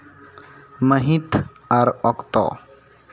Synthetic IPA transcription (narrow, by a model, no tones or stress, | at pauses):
məɦit̪ | aɾɔkt̪ɔ̰